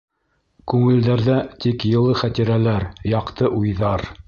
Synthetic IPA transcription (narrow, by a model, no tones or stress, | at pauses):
kʉŋɘ̆ld̪æɾðæt̪ikjɤ̆lˠɤχæt̪iɾælæɾjɑqt̪ɤʔujðɑɾ